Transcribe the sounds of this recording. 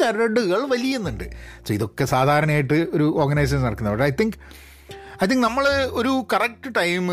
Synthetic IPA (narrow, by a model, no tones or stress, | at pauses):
ɐɾɐɽuɣɐɭʋɐlijɐenːuɳɖɨɐsiðo̞kːe̞saːd̪ʱaːɾɐɳɐmaːjiʈːɨo̞ɾuoːrɡɐnɐjs̬eʂnɐrɐkːunːɐbɐʂɐjt̪iŋk | ɐjt̪iŋknɐmːɐɭoɾukɐrɐk̚ʈɨʈɐjm